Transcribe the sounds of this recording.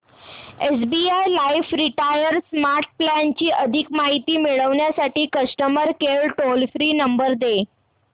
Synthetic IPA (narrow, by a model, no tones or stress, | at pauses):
esbiajlajfɾiʈajəɾsmaɾʈ̚plant͡ɕiːʔəd̪ʱikmaɦit̪iːmiɭəʋɳjasaʈiːkəsʈəməɾkelʈolfɾiːnəmbəɾd̪e